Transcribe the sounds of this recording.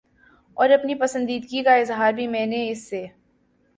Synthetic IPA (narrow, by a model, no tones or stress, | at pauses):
ɔːɾɐpnipɐsə̃nd̪iːd̪ɡikaɪzɦaːɾbʱimɛ̃ːneɪsːe